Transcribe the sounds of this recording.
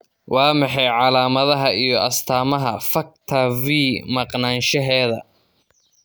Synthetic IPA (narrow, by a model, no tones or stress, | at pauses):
wʔɑːmɑħɑjʕɑlaːmɐðɐɦɐijɞʔɐst̪ʰaːmɐɦɐfɐk̚t̪ʰɐviːmɐqnaːnʃɐɦɛːðɐ̰